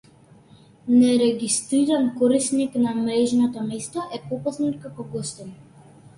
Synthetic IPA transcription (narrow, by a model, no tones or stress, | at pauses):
nɛɾɛɡist̪ɾiɾankɔɾisniknamɾɛʒnɔt̪ɔmɛst̪ɔʔɛpɔpasnɛnkakɔɡɔst̪in